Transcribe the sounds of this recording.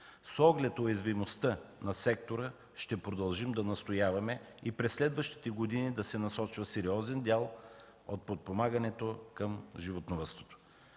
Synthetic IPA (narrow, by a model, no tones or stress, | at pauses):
sɔɡlɛt̪ojɛzvimost̪ənɐsɛkt̪oɾə | ʃt̪ɛpɾod̪ɐlˠʒimd̪ɐnɐst̪ojavɐmɛ | ipɾɛsːlɛd̪vəʃt̪i̥t̪ɛɡod̪inid̪ɐsɛnɐsɔt͡ʃvəsɛɾiɔzɛnd̪ʲalˠ | ot̪̚pot̪̚pomaɡɐnɛt̪okəmʒivot̪novəst̪vo̥t̪o̥